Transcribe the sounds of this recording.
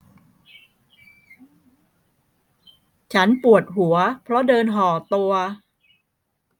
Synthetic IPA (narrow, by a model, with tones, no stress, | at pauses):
t͡ɕʰa˦˥npu˨˩ət̪̚ɦu˩˦ɐpʰɾɔ˦˥dɤː˧nɦɔː˩˦t̪u˧ɐ